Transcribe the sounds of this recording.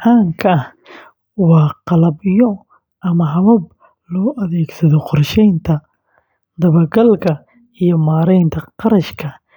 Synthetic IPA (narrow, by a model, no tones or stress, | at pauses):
ʕaːŋkʰɐɐh | wɑːqɑlɐbɪjɔ | ʔɐmɐɦɐβɐb̚ | lɔːʔɐðɛːɡsɐðɔqʊrʃɛjnt̪ʰɐ | d̪ɐβɐɡɐlkʰɐ | ijɔmaːɾɛjnt̪ʰɐqɑɾɐʃkʰɐ